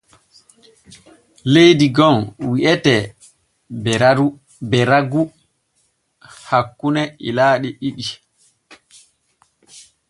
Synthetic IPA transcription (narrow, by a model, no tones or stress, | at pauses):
lejdiɡɔnwiʔɛtɛ | bɛɾaɡu | hakːunɛḭlaːɗiʔiɓi